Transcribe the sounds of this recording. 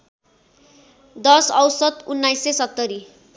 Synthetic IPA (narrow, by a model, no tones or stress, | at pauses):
d̪ʌsʌwsʌt̪unːajsesʌt̪ːʌɾi